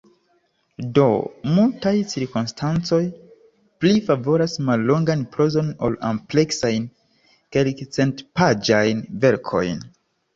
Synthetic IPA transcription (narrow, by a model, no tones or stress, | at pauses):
do̞̰multajt͡siɾkumstʰant͡so̞j | plifavo̞ɾasmalːo̞ŋɡanpɾo̞zo̞no̰lample̞ksajn | kelkt͡se̞ntpad͡ʒajnve̞ɾkʰo̞̰jn